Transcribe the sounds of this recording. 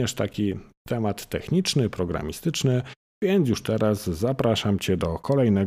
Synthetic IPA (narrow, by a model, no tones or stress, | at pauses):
ɛʂt̪akʲit̪ɛmat̪ːɛxɲit͡ʂnɘpɾɔɡɾa̰mʲist̪ɘt͡ʂnɘ | vʲjɛnd̪s̬juʂt̪ɛɾasːapɾaʂamt͡ɕɛd̪ɔkʰɔlɛjnɛ